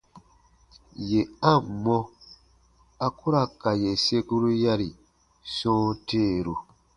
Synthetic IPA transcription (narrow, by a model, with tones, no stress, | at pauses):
je˨ã˦˨m˨mɔ̃˦ | a˨ku˦ɾa˦˨ka˨je˨se˦ku˦ɾu˦ja˦ɾi˨ | sɔ̃ː˦teː˦˨ɾu˨